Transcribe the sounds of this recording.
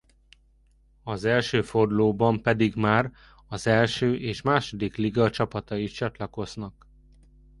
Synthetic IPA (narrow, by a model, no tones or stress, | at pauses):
ɒzɛlʃøːfo̞rd̪loːbɒmpɛd̪iɡmaːr | ɒzɛlʃøːʔeːʃmaːʃo̞d̪ikliɡɒt͡ʃɒpɒt̪ɒit̪t͡ʃɒt̪lɒko̞znɒk